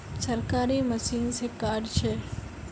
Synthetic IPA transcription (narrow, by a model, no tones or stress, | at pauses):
səɾkaɾiməsiːnsekaɖt͡ʃʰe